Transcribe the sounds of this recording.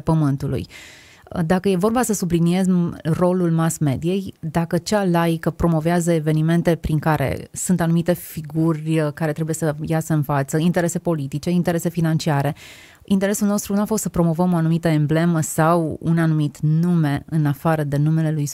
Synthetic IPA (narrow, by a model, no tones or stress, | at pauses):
pəmɨnt̪ulṵj | əd̪akəje̞vo̞rbasəsublinie̞zro̞lulmasme̞d̪ie̞jd̪akət͡ʃalajkəpɾo̞mo̞veazəeve̞nime̞nt̪e̞pɾiŋkaɾʔḛsunt̪anumit̪e̞fiɡurʲkaɾe̞t̪ɾe̞bujesəjasəɨnfat̪səint̪eɾe̞se̞po̞lit̪it͡ʃe̞int̪e̞ɾe̞se̞finant͡ʃiaɾe̞ | int̪eɾe̞sulno̞st̪ɾunuafo̞st̪səpɾo̞mo̞vəmo̞anumit̪əemble̞məsawṵnanumit̪nume̞ɨnafaɾəd̪e̞nume̞le̞luj